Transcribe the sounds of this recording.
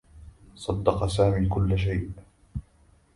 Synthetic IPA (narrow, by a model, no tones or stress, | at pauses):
sˤɑd̪ːɑqsaːmiːkʊlːʃ̬ajʔ